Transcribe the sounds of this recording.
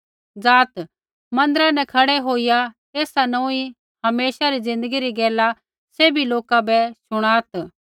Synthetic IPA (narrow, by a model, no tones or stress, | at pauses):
d͡zaːt̪ | mɐ̃nd̪əɾãnɛkʰɐɽɛɦoːija | eːsanõːi | hɐmeːsaɾid͡zɪ̃nd̪əɡiɾiɡɛːla | seːbiloːkabɛsʊɽ̃aːt̪